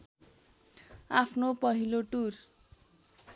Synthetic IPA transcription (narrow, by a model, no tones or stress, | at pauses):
apʰnopʌɦiloʈur